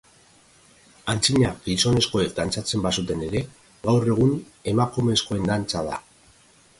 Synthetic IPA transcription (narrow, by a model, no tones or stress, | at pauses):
ant͡siɲaɡiso̞ne̞sko̞e̞k̚d̪ant͡sat͡se̞mbasut̪e̞ne̞ɾe̞ | ɣawre̞ɣ̞un | e̞makume̞sko̞e̞nd̪ant͡sað̞a̰